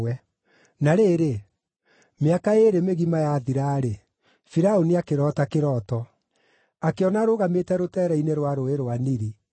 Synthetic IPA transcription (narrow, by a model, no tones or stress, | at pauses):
ɛ | naɾeːɾe | meakaeɾemeɣimajaːðiɾaːɾe | fiɾaoniakeɾɔtakeɾɔːtɔ | akeɔnaɾoɣametɛɾotɛːɾɛineɾwaɾoeɾwaniɾi